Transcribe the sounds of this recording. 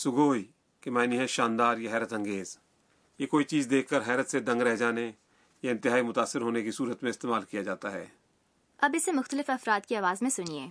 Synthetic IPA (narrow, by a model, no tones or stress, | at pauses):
sʊɡoːi | kemaːniɦɛ̃ʃaːnd̪aːɾjaɦɛːɾət̪ɐ̃ŋɡeːz | jekoːit͡ʃiːzd̪eːkʰːəɾɦɛːɾət̪sed̪ə̃ŋɡɾɛɦd͡ʒaːne | jaɪ̃nt̪ɪɦaːimʊt̪aːsːɪɾɦoːnekisuːɾət̪mẽɪst̪eːmaːlkijad͡ʒaːt̪aɦɛ̰ː | ɐbɪsemʊxt̪əlɪfɐfɾaːd̪kiaːʋaːzmẽsʊnieː